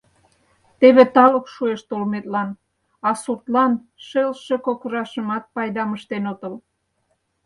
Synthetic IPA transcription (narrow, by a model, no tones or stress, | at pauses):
t̪eβet̪ɑlokʃueʃt̪olmet̪lɑn | ɑsurt̪lɑnʃelʃekokəɾɑʃəmɑt̪̚pɑjd̪ɑməʃt̪enot̪əl